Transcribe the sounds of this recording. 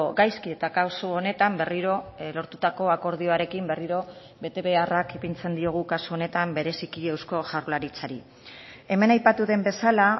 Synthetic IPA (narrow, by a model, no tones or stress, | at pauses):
ɡajskie̞t̪akawsoone̞t̪ambe̞riɾo̞lo̞ɾt̪ut̪ako̞ako̞ɾð̞io̞aɾe̞kimbe̞riɾo̞ | βe̞t̪e̞βe̞arakepint͡se̞nd̪io̞ɣ̞ukasuo̞ne̞t̪ambe̞ɾe̞sikie̞wsko̞ʝaɾlaɾit͡saɾi | e̞me̞najpat̪uðe̞mbe̞sala